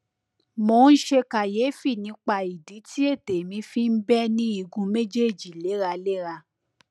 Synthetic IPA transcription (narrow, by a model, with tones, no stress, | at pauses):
mo˧n̩˦ʃe˧ka˨je˨˦fi˦˨nĩ˧˦k͡pa˧i˨di˨˦tʰi˦e˦˨te˨mĩ˧˦fi˦m̩˦bɛ˦nĩ˦i˧ɡũ˧me˦d͡ʒe˦˨d͡ʒi˨le˨˦ɾa˧le˦ɾa˧